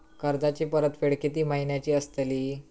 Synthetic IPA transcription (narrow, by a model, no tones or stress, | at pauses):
kəɾd̪at͡ɕiːpəɾət̪feɽkit̪iːmaɦinjat͡ɕiːəst̪əliː